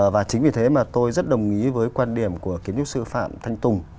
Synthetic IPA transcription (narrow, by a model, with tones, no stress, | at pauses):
vaː˨˩t͡ɕï˨˦ŋ̟vi˨˩t̪ʰe˨˦maː˨˩t̪o˧jzə˦˥t̚ɗə˨˩wŋ͡mŋi˨˦vəː˨˦jkwaː˧nɗi˨˩əmku˧˩əki˨˦ɲt͡ɕʊ˦˥t̚sɨ˧fa̰ː˧˨mt̪ʰa˧jŋ̟t̪ʊ˨˩ŋ͡m